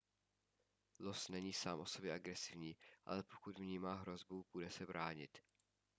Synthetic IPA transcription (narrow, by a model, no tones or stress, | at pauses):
losnɛɲiːsaːmʔo̞so̞bjɛʔaɡɾɛsɪvɲiːʔa̰lɛpo̥kut̪mɲiːmaːɦɾo̞zbupudɛsɛbɾaːɲɪ̰t̪